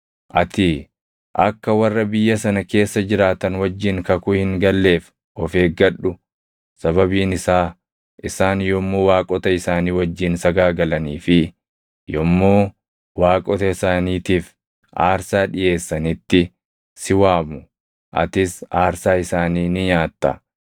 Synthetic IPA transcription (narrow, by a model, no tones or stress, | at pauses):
ʔɐt̪ɪ | ʔɐkːɐwɐrːɐbɪjːɐsɐnɐke̞ːsːɐd͡ʒɪɾaːt̪ɐnwɐd͡ʒːɪŋkɐkʊhɪŋɡɐlːe̞ːf | ɔfe̞ːɡɐᶑʊ | sɐβɐbiːnɪsaː | ʔɪsaːnjomːoːwaːkʼɔt̪ɐɪsaːniːwɐd͡ʒːɪnsɐɡaːɡɐlɐniːfɪ | jɔmːoː | waːkʼɔt̪ɐɪsaːniːt̪iːf | ʔaːɾsaːᶑɪʔe̞ːsːɐnɪt̪ːɪ | sɪwaːbʊ | ʔɐ̰t̪ɪsaːɾsaːɪsaːniːnɪɲaːt̪ːɐ̰